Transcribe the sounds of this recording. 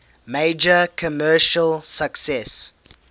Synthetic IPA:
meɪd͡ʒəkʰəmɜːˑʃəlˠsəksɛs

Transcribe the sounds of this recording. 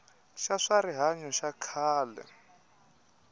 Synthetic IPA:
ʃaʂaɾiɦaɲɔʃakʰaːlɛ̰

